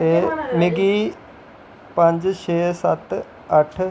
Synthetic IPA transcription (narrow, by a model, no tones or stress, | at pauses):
t̪eːnɪɡiː | pə̃ɲd͡ʒʃʰeːsət̪ | əʈʰ